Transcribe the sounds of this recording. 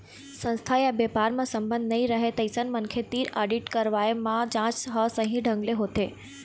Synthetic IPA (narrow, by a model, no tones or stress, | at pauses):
sə̃nst̪ʰajabepaːɾmãsə̃mbə̃nd̪ʱnɐĩɾəɦet̪ɐɪsənmənkʰet̪iːɾaːɖiʈkəɾʋaːemãd͡ʑãːt͡ʃɦəsəɦĩɖʱə̃ŋɡleɦoːt̪eː